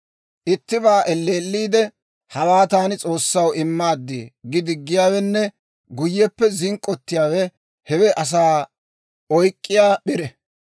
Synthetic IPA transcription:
ʔɪt̪ːɪbaːʔɛlːeːlːiːd̪ɛ | hɐwaːt̪aːnɪt͡sʼo̞ːsːɐwɪmːaːd̪ːɪ̰ɡɪd̪ɪɡːɪjaːwɛnːɛ | ɡʊjːɛpːɛzɪŋkʼːɔt̪ːɪjaːwɛ | hɛwɛʔɐs̬aː | ɔjkʼːɪjaːɓɪɾɛ

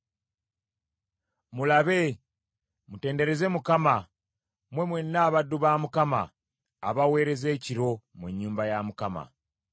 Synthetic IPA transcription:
mulaβe̞ | mute̞ːnde̞ɾe̞ze̞mukama | mwe̞mwenːaːβaduβaːmukama̰ | a̰βawe̞ːɾe̞ze̞ːciɾo̞muɲːuːmbajamukama̰

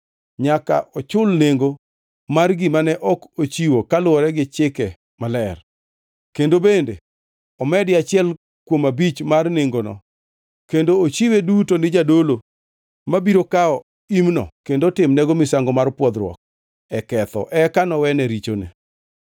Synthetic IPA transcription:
ɲaka̰ʔɔt͡ʃʊlneŋɡo | marɡɪmanɛʔɔkot͡ʃiwokalʊɔɾɛɡɪt͡ʃɪkɛ | malɛr | kendobende | ɔmɛdɪat͡ʃɪɛl | kwomabit͡ʃmarneŋɡonɔ̰ | kendoːt͡ʃiwedutonɪd͡ʒadolo | mabiɾokaɔ | imnɔ̰kendotɪmnɛɡomɪsaŋɡɔmarpwɔd̪ɾwɔ̰k̚ | ɛkɛt̪ɔ̰ʔɛkanɔwɛnɛɾit͡ʃo̰nɪ̰

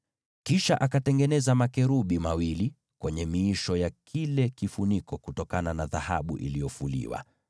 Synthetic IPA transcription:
kiʃaʔakatɛŋɡɛnɛzamakɛɾuɓimawili | kwɛɲɛmiːʃɔjakʰilɛkifunikʰɔkutɔkananaðaha̰ɓṵʔḭlijɔfulḭwa̰

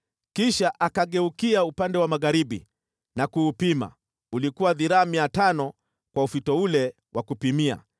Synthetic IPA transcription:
kiʃaʔakaɠɛukiaupandɛwamaɣaɾiɓḭ | nakuːpima̰ | ulikuwaðiɾaːmiatanɔ | kwaufitɔulɛ | wakupimia̰

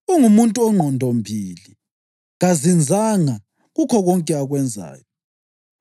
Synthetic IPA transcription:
uŋumuntʼuɔŋ͡ǃʱɔndʱɔmbʱiːli | ɣazind͡zʱaŋa | ɣukʰɔɣɔŋkʼɛaɣwɛnd͡zʱa̰ːjɔ

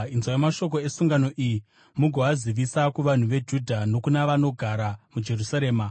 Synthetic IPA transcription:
inzwajomaʃo̞k̬o̞e̞suŋɡano̞ʔiji | muɡʱo̞aziʋisakuʋan̤uʋe̞d͡ʒudʱano̞kunaʋano̞ɡʱaɾamud͡ʒe̞rusaɾeːma

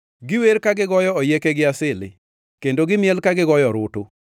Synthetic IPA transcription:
ɡɪweɾkaɡɪɡɔjɔɔjekeɡɪasɪlɪ̰ | kendoɡɪmjɛlkaɡɪɡɔjɔɾʊtʊ

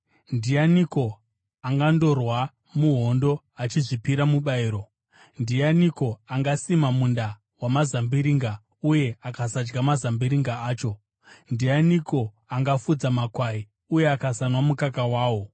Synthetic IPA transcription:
ndijaniko̞ | aŋɡando̞rwa | muɦo̞ndo̞ | at͡ʃiʐipiɾamuɓaiːɾo̞ | ndianiko̞aŋɡasimamunda | wamazambiɾiŋɡa | uje̞akasad͡ʒɡamazambiɾiŋɡaːt͡ʃo̞ | ndijaniko̞ | aŋɡafud͡zamakwai | uje̞akasanwamukakawaːwo̞

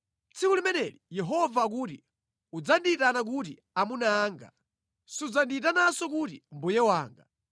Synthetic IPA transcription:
t͡sʰikulimɛnɛlijɛɦɔvak̬uːti | ud͡zanditanak̬utḭ | amunaːŋɡa̰ | sud͡zanditanasɔk̬utimbujɛwaːŋɡa

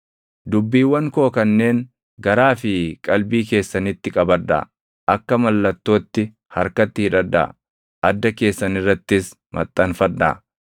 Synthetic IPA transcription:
d̪ʊbːiːwːɐŋkoːkɐnːe̞ːŋ | ɡɐɾaːfɪkʼɐlbiːke̞ːsːɐnɪt̪ːɪkʼɐbɐᶑɐ̰ | ʔɐkːɐmɐlːɐt̪ːo̞ːt̪ːɪ | hɐɾkɐt̪ːɪhɪᶑɐd̪ːɐ̰ | ʔɐd̪ːɐke̞ːsːɐnɪrːɐt̪ːɪs | mɐ̰t̪ʼːɐnfɐᶑːɐ̰

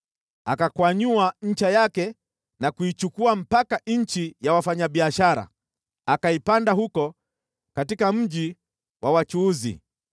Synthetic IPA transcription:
akakwaɲuaɲ̩t͡ʃajakɛ | nakuit͡ʃukuam̩pakanɲ̩t͡ʃijawafaɲaɓiaʃaɾa̰ | akaipandaɦukɔ | katikam̩ʄi | wʔawat͡ʃuːzḭ

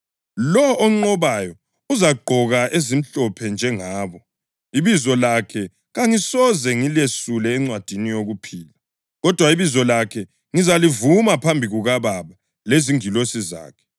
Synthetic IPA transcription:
lɔːŋ͡ǃɔβajɔ | uzaɡ͡ǃʱɔɣaʔezim̩ɬɔpʰɛnd͡ʒʱɛŋaːβɔ | iβizɔlakʰɛ | ɣaŋisɔzɛŋilesulɛːŋ͡ǀwad̥ʱinijoɣupʰiːla | ɣɔd̥ʱwaiβizɔlakʰɛ | ŋizalivumapʰambʱiɣuɣaβaβa | leziŋilosiza̰ːkʰɛ̥

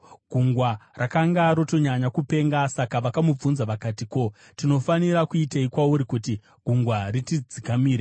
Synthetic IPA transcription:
ɡ̥ʱuŋɡwarʔakaŋɡaɾo̞to̞ɲaɲakupe̞ŋɡasakaʋakamub͡vunzaʋakatiko̞ | tino̞faniɾakuitaikwauɾikuti | ɡ̥ʱuŋɡwaritid͡zikamiːɾa

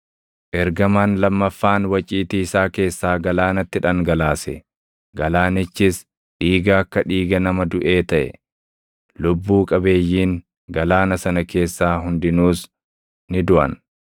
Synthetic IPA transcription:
ʔɛɾɡɐmaːnlɐmːɐfːaːnwɐt͡ʃʼiːt̪iːɪsaːke̞ːsːaːɡɐlaːnɐt̪ːɪᶑɐŋɡɐlaːsɛ | ɡɐlaːnɪt͡ʃːɪs | ᶑiːɡɐːkːɐᶑiːɡɐnɐmɐd̪ʊʔe̞ːt̪ɐʔɛ̰ | lʊbːuːkʼɐbe̞ːjːiːŋ | ɡɐlaːnɐsɐnɐke̞ːsːaːɦʊnd̪ɪnuːs | nɪd̪ʊʔɐ̰n

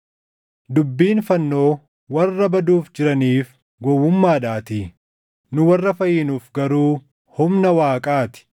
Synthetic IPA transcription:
d̪ʊbːiːnfɐnːo̞ː | wɐrːɐbɐd̪uːfd͡ʒɪɾɐniːf | ɡɔwːʊmːaːᶑaːt̪iː | nʊwɐrːɐfɐjɪnuːfɡɐɾuː | hʊmnɐwaːkʼaːt̪ɪ̥

